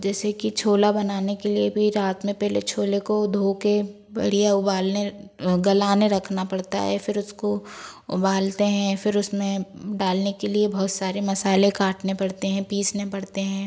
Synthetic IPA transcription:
d͡ʒɛːsekit͡ʃʰoːlabɐnaːnekeliebʱiɾaːt̪mẽpɛɦlet͡ʃʰoːlekod̪ʱoːke | bɐ̰ɽijaʊbaːlneɡɐlaːneɾɐkʰnapɐɽt̪a̰ɦɛ̰fɪɾʊskoʊ̰baːlt̪eɦɛ̃fɪɾʊsmẽɖaːlnekeliebɔɦt̪saːɾemɐsaːlekaːʈnepɐɽt̪eɦɛ̃piːsnepɐɽt̪eɦɛ̃ː

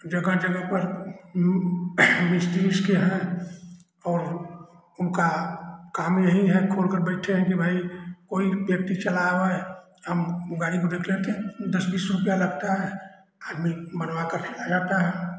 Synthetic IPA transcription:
d͡ʒəɡəd͡ʒəɡəɦpəɾ | mɪsʈiskeɦɛ̃ | ɔːɾ | ʊnkakaːmjəɦĩɦɛkʰoːlkəɾbɛɪʈʰeɦɛ̃kibʱaːikoːibjəkt̪it͡ʃəlaa | ɦəmɡaːɽikod̪ekʰlet̪eɦɛ̃d̪əsbiːsɾʊpjaləɡt̪aɦɛ | aːd̪mibənwakəɾkʰɛlad͡ʒaːt̪aɦɛ

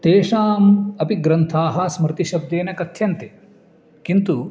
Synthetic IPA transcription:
t̪eːʂaːmɐpiɡɾɐnt̪ʰaːɦɐsmɾɪt̪iʃɐb̚d̪eːnɐkɐt̪ʰjɐnt̪e | kint̪u

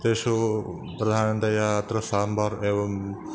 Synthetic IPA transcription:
d̪eːʃo | pɾɐd̪ʱaːnənt̪ɐjaːt̪ɾəsaːmbaɾeːʋɐm

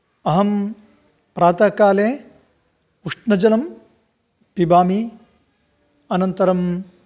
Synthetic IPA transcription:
ɐɦɐm | pɾaːt̪aːkaːleː | uʂnɐd͡ʒɐlɐm | pibaːmi | ɐnɐnt̪ɐɾɐm

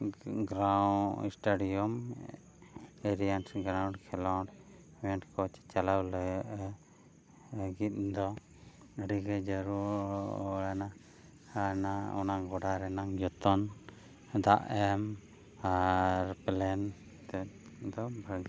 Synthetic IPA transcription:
ɡɾawḭsʈaɖijɔm | eɾijansɡɾawɳkʰɛlɔɖ | wɛ̃ɳʈkɔt͡ʃt͡ʃalawləʔ | ɡit̪̚ˀd̪ɔ | ɖiɡɛd͡ʒəɾuɾ | lana | anaɔ̰naŋɡɔɖaɾɛnaŋd͡ʒɔt̪ɔn | d̪aʔɛm | aɾplɛn | t̪ɛ | d̪ɔbʱə

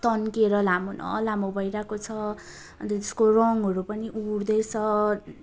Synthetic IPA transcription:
t̪ʌnkeɾʌlamonʔʌ̰lamobʱʌjɾakot͡sʰʌ | ʌ̰nt̪et̪e̥skorʌŋɦʌɾupʌniʔuɽd̪ʌjt͡sʰʌ

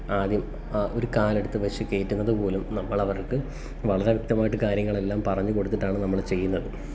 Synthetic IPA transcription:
aːd̪jɐm | o̞ɾukaːleɽut̪ːɨʋeʂikːe̞ːtːunːɐðɨpo̞ːlumnɐmːɐɭɐʋɐrkɨ | ʋɐɭɐɾe̞ʋjk̚t̪ɐmaːjiʈːɨkaːɾjɐŋːɐɭe̞lːaːmpɐrɐɲːɨko̞ɽut̪ːiʈːaːɳɨnɐmːɐɭt͡ɕe̞jːunːɐðɨ

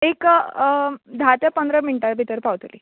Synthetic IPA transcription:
ek | d̪ʱat̪epənd̪ɾəminʈaɾbʱit̪əɾpawt̪lḭː

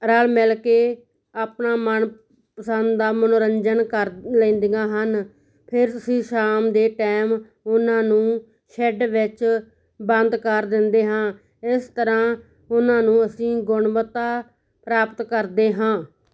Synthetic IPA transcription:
ɾaːlmɛlkeː | aːpnaːmən | pəsənd̪d̪aːmənoːɾəɲd͡ʒənkəɾlẽːnd̪ɪɡãːɦən | pʰɪɾtʊsĩːʃaːmd̪eːʈɛːm | ʊnãːnũː | ʃɛɖʋɪt͡ʃ | bənd̪kəɾd̪ɪnd̪eːɦãː | ɪst̪əɾãː | ʊnãːnũːəsĩːɡʊɳʋət̪aː | pɾaːpət̪kəɾd̪eːɦãː

